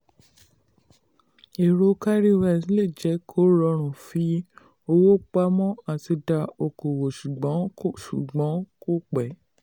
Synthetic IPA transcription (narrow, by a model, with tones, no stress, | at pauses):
e˨ɾo˧˦ka˦ɾi˦wa˧˨si˦le˦˨d͡ʒɛ˨˦kʰo˦ɾɔ˧ɾ̃ũ˨fi˧˦ | o˧wo˦k͡pa˦mɔ̃˦a˨ti˧da˧o˧˨ko˨wo˨ʃu˨ɡ͡bɔ̃˨˦ʃu˨ɡ͡bɔ̃˨˦ko˦˨k͡pɛ˨˦